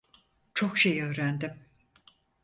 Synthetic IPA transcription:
t͡ʃʰo̞kʃejø̞ːɾænd̪ɪm

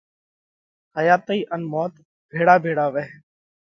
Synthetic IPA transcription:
ɦəjaːt̪iːʔənmoːt̪ | bʱeːɽaːbʱeːɽaːʋeː

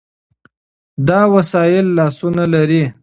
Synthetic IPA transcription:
d̪ɑwasɑjɪlːɑsunalaɾi

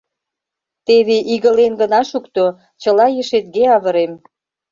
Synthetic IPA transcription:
t̪eβeʔiɣəlenɡə̆nɑʃukt̪o | t͡ɕə̆lɑjəʃet̪̚ɡeɑβə̆ɾem

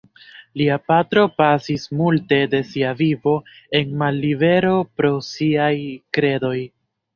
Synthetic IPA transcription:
liapatɾo̞pasismulte̞de̞siavivo̞ | e̞nmalːive̞ɾo̞pɾo̞siajkɾe̞do̞j

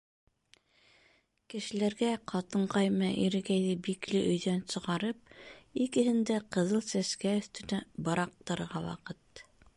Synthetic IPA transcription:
kɘ̆ʃɘ̆læɾɡæqʰɑt̪ɤɴqɑjmɑʔiɾɘ̆ɡæjðɘbiklɘʔɵ̆jðænsɤ̆ʁɑɾɤp̚ikɘ̆hɘ̆nd̪æqɤ̆ðɤlˠsæskæɵ̆θt̪ɵ̆næbɤ̆ɾɑq̚t̪ɤ̆ɾɤɾʁɑwɑ̰qɤt̪

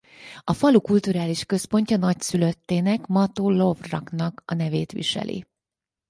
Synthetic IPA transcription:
ɒfɒlukult̪uɾaːliʃkø̞spo̞ɲcɒnɒcsyløt̪ːeːnɛkmɒt̪oːlo̞vrɒknɒkɒnɛveːt̪ʋḭʃɛ̰lʔḭ

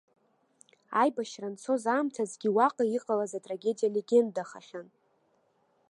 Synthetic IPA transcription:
ajbaʃrant͡sʰo̞zaːmtʰazɡʲiwaqʼaiqʼalazatʼraɡʲe̞dijale̞ɡʲe̞ndaχaχʲan

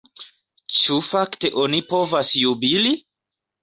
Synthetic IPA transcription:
t͡ʃufakte̞ʔo̞nipo̞vasjubili

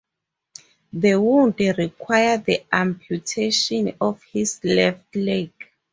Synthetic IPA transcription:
ðəwundɹikʰwajadiʔãmpʰjutʰeʃɔ̃nɔfhislɛftlek

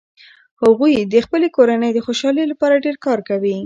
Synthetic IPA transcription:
haɣujd̪əxpəlekoɾanəjd̪əxoʃɑləjlapɑɾaɖeɾkɑɾkawi

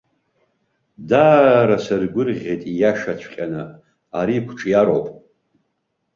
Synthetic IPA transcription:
daːɾasɨrɡʷʊrʁʲejtʼijaʂat͡ɕʷʰqʲʼanɨ | aɾiːkʷʰʈ͡ʂʰʼjaɾowpʼ

